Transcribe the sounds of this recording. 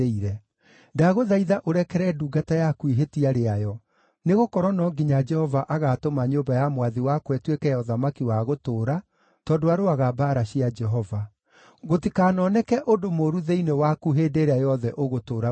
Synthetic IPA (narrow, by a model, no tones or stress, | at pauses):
eiɾɛ | daɣoðaiðaʔoɾɛkɛɾɛduɡatajakuiɦetiaɾeajɔ | neɣokɔɾwɔnɔŋɡiɲad͡ʒɛhɔvaʔaɣatomaɲobajamwaðiwakwɛtwekɛjɔðamakiwaɣotoːɾa | tɔːndoaɾoaɣabaːɾaɕiad͡ʒɛɦɔva | ɣotikaːnɔnɛkɛʔodomoɾuðeinewakuɦeːdeɾeajɔðɛʔoɣotoːɾa